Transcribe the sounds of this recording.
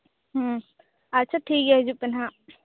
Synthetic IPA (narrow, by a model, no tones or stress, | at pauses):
ɦə | ɐtːʃʰaʈʰiːkɦɛd͡ʒupənɦã